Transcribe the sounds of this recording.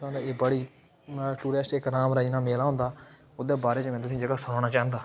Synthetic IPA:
ãːnd̪aebəɽiː | ʈuːɾɛːsʈɪkɾaːmɾaːiːnaːmeːlaːɦʊ̃nd̪aː | ʊd̪eːbaːɾeːt͡ʃmɛ̃ːt̪ʊsĩːd͡ʒəɡaːsʊɽaːɽ̃aːt͡ʃãːənd̪aː

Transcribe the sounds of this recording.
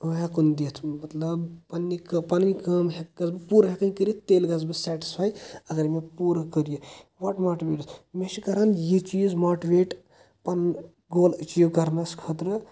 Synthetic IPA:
ɦekund̪et̪ʰmɐt̪lɐbpɐnːikɐpɐnnikɐmɦeɡɐzbɨpuɾɐɦekɐnikəɾijit̪eːlɡɐzbɐsɛːʈi̥spʰaːjɐɡɐɾmepuːɾɐkəɾijɐʋɐʈmaːʈiʋeːʈɨt̪meʃikɐɾɐnjit͡ʃiːzmoːʈiʋeːʈ | pɐn | ɡoːlət͡ʃijoɡɐɾnɐskʰɐt̪ɾɐ

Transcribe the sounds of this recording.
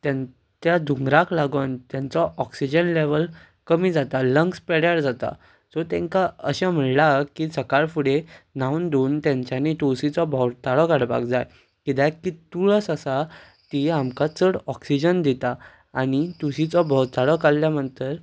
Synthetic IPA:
t̪jã | t̪jad̪ʱuŋɡɾaklaɡənt̪jãnt͡sɔʔɔksid͡ʑənleʋəl | kəmiːd͡zat̪aləŋkspɛɽjaɽd͡zat̪a̰ | d͡zɔt̪ɛ̃ŋkaəɕãm̤əɳlakisəkaɭfuɽenawnd̪oːnt̪jãɲt͡ɕjaneʈosit͡sɔbʱɔwt̪aɽɔkaɽpa̰kd͡zaj | kid̪ɛkit̪uɭəsəsa | t̪iamkat͡səɽɔksid͡ʑənd̪it̪aː | ɽ̃it̪usit͡sɔbʱɔwt̪aɽɔkalːjam̤əɳt̪əɾ

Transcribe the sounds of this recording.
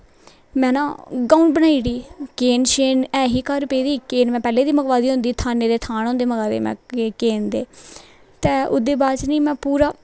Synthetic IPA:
mɛ̃ːnã̰ːɡaːunbənaːiːɽiːkeːnʃeːnɛːɦiːkəɾpeːd̪iːkeːnmɛ̃ːpɛːleːd̪iːməkʋaːd̪iːɦʊ̃nd̪iːt̪ʰaːneːd̪eːt̪ʰaːnɦõːnd̪eːməɡaːd̪ḛːmɛ̰̃ːkeːnd̪eː | t̪eːʊ̰d̪eːbaːt͡ʃniːmɛ̃ːpuːɾaː

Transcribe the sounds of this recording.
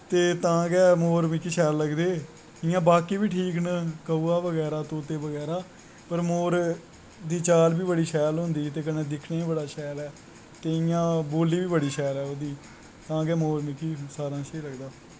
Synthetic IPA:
t̪eːt̪ãːɡɛːmoːɾmɪkːiːʃɛːlləɡd̪eː | ɪjãːbaːkiːbiːʈʰiːknkəuːaːʋəɡɛːɾaːt̪õːt̪eːʋəɡɛːɾaː | pəɾmoːɾ | d̪iːt͡ʃaːlbiːbəɽiːʃɛːlɦʊ̃nd̪iːt̪eːkənẽːd̪ɪkʰɳeːiːbəɽaːʃɛːlɛː | t̪eːɪjãːboːliːʋiːbəɽiːʃɛːlɛːoːd̪iː | t̪ãːɡɛːmoːɾmɪkːiːsaːɾãːʃeːləɡd̪aː

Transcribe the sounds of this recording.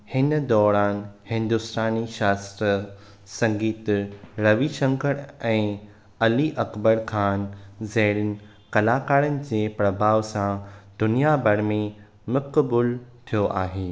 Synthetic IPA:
hɪnd̪ɔːɾaːnhɪ̃nd̪ʊst̪aːniʃaːst̪ɾə | sɐ̃ŋɡiːt̪ɾɐʋiʃɐ̃ŋkəɽɛ̃ː | ɐliʔɐkbəɾkʰaːnzɐɦɾənɪ̆ | kɐlaːkaːɾənɪ̆d͡ʑeːpɾɐbʱaːʋsãd̪ʊnijabɐɽmẽ | mɐkbʊlt̪ʰijoʔaːɦeː

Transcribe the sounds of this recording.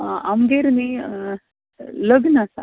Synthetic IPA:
ʔamɡeɾne | ləɡnasa̰

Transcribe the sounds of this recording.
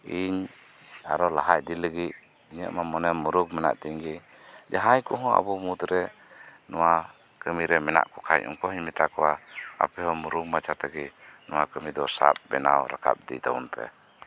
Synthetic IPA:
iɲ | aɾɔlaɦac̚diləɡiʔ̚ | iɲɛʔmamɔnɛmuɾuk̚mɛna̰ʔt̪iɲɡi | d͡ʒaɦajkuɦɔ̃a̰bɔmut̪ɾɛ | nɔwa | kəmiɾɛmɛna̰ʔkɔkʰa̰jɔ̰ŋkɔhiɲmɛt̪akɔwaa̰pɛhɔmuɾuk̚mat͡ʃʰat̪ɛɡinɔwakəmid̪ɔsa̰p̚bɛnawɾakʰa̰p̚d̪ḭd̪a̰ṵnpʰɛ̰

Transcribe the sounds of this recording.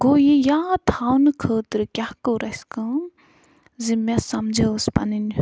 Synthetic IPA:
ɡojijat̪ʰawnɨkʰəːt̪ɾkʲjahkəɾɐskə | zimɛsɐmd͡ʒəspa̰nin

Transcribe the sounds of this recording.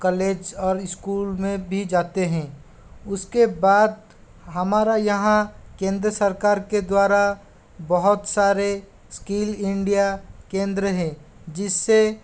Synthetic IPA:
kəleːd͡ʒɔːɾɪskuːlmẽbʱid͡ʒaːt̪eɦɛ̃ː | ʊskebaːd̪̚ | ɦəmaːɾajɐɦãkẽːnd̪ɾəsəɾkaːɾked̪waːɾa | bəɦʊt̪saːɾe | skiːlɪ̃ɳɖijakẽːnd̪ɾəɦɛ̃ | d͡ʒɪsːe

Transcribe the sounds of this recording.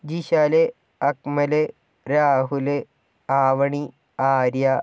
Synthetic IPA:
d͡ʑiɕaːle | ɐkmɐle | ɾaːɦule | aːʋɐɳi | aːɾja

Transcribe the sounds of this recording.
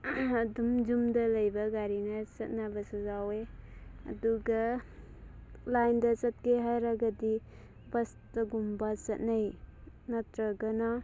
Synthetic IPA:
ɐdumd͡ʒumdɐlɐjbɐɡaɾinɐt͡ʃɐt̚nabɐsazaweɐ̰duɡa | lajndɐt͡ʃɐt̚keɦajɾaɡadi | bɐs | tɐɡumbat͡ʃɐt̚najnatɾaɡɐna

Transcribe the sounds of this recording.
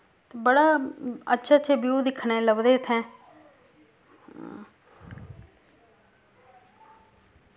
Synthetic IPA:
t̪ebəɽaːə̰tːʃʰetːt͡ʃʰebjuːd̪ɪkʰɳ̃ẽːləbd̪eːt̪ʰɛ̃ː

